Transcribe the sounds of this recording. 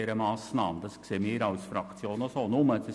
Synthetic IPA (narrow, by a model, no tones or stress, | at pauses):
eːɾəmɑːsnɑːməd̪ɑskseːmeːɾɑʊsfɾɑkt̪t͡sjoːnɔsoːnoməsə